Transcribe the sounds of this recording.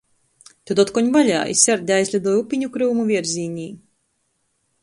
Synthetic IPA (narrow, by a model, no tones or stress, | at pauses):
t̪ud̪ɔt̪̚kɔɲvalʲa̰ːḭsʲɛɾd̪ʲajzʲlʲad̪ɔjupʲiɲukɾuːmuvʲiɛɾzʲiːɲʲiː